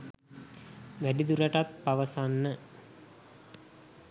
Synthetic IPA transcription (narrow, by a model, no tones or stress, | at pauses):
ʋæɖid̪uɾəʈat̪̚paʋəsanːə